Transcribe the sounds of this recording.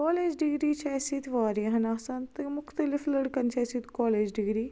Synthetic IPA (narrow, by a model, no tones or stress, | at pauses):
kɔːleːd͡ʒɖɪɡɾiːt͡ʃʰɛːsit̪ʋaːɾəɦɐnaːsant̪emʊxt̪əlɪfləɽkənt͡ʃʰɛːsit̪kɔːleːd͡ʒɖɪɡɾiː